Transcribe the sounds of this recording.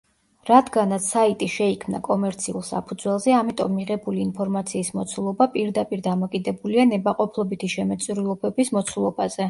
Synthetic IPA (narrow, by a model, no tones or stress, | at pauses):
ɾad̪ɡanat̪sʰait̪ʼiʃɛikʰmna̰kʼɔmɛɾt̪sʰiṵlˠsa̰pʰud̪zwɛlˠzɛamit̪ʼɔmːiʁɛbuliːnpʰɔɾmat̪sʰiːsmɔt̪sʰulˠɔbapʼiɾd̪apʼiɾd̪amɔkʼid̪ɛbulianɛbaqʼɔpʰlˠɔbit̪ʰiʃɛmɛt̪sʼɾilˠɔbɛbismɔt̪sʰulˠɔbazɛ